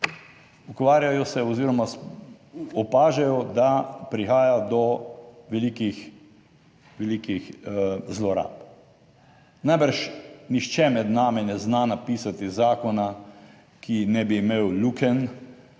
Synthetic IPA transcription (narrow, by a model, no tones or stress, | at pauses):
ukʋaːɾjajɔsɛɔziːɾɔmas | ɔpaːʒɛjɔd̪apɾixaːjad̪ɔʋɛliːkix | ʋɛlikixzlɔɾa̰ːp | najbəɾʃnixt͡ʃɛmɛd̪naːmɛnɛznanapiːsat̪izaːkɔna | kʰinɛbiːmeːwlukɛn